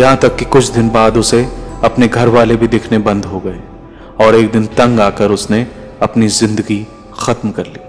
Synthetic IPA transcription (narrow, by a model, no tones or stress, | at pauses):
jɐɦãt̪ɐkːikʊt͡ʃʰd̪ɪnbaːd̪ʊseɐpneɡʱɐɾʋaːlebʱid̪eːkʰnebɐ̃nd̪ɦoɡɐe | ɔːɾeːk̚d̪ɪnt̪ɐ̃ŋɡaːkəɾʊsne | ɐpnizɪ̃nd̪əɡi | xɐt̪mkɐɾliː